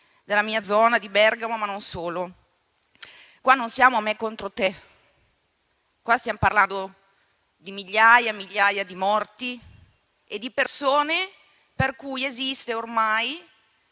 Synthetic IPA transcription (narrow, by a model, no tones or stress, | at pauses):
d̪elːamiːad̪zɔːnad̪ibɛrɡamomanonsoːlo | kwanːonsjaːmoamːekːont̪ɾot̪e | kwast̪jamoparland̪o | d̪imiʎːajamiʎːaːjad̪imɔrt̪i | ed̪ːipersoːne | perkujezist̪eormaj